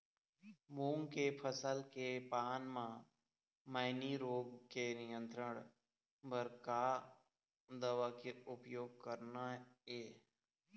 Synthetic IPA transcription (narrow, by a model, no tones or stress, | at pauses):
muːŋkepʰəsəlkepaːnmã | məɪniɾoːɡkenɪjə̃nt̪ɾəɽ̃ | bəɾkaː | d̪əʋakeʊpjoːɡ̚kəɾnaeː